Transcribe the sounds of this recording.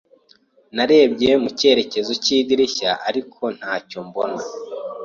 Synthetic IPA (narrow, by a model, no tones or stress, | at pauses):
naɾe̞ːbɟemuce̞ɾe̞ce̞zo̞ciːdiɾiçaʔaɾikʰo̞n̥haːco̞mbona